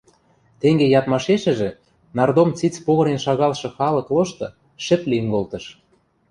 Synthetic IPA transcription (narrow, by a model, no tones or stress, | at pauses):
t̪eŋɡejɑt̪mɑʃeʃɘ̆ʒĕ | nɑrd̪omt͡sit͡spoɣɤ̆ɾenʃɑɣɑlʃɤ̆xɑlɤ̆kloʃt̪ɤ̆ | ʃɘ̆plĭŋɡolt̪ɤ̆ʃ